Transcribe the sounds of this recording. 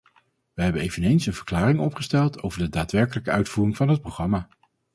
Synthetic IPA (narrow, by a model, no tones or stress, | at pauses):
ʋəɦɛbənejvənejnsənvəɹklaːrɪŋɔpχəstɛlˠtʰo̰wvəɹdədaːtʋɛɹkələkəœɥtfuːrɪŋvɑnɦət̚prowχrɑmaː